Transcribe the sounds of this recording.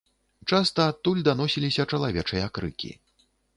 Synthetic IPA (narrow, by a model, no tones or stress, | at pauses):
t͡ʂast̪ɐːt̪ːulʲd̪anɔsʲilʲisʲɐt͡ʂɐlˠavʲɛt͡ʂɐjɐakɾɨ̰kʲḭ